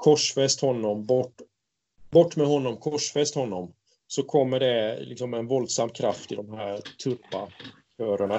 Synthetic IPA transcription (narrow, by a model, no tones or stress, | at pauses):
kʰɔʂfɛst̪hɔnːɔmbɔʈː | bɔʈːmɛhɔnːɔmkʰɔʂfɛst̪hɔnːɔm | sɔkʰɔmːəɖɛlɪ̰ksɔmɛnvɔld̪samːkʰɾaft̪ɪd̪ɔmɦæːɾt̪ʰɵpːa | kʰœːɾəɳa